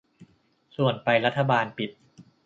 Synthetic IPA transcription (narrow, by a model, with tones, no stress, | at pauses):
su˨˩ənpa˧jɾa˦˥t̪ʰːa˧baː˧npi˨˩t̪̚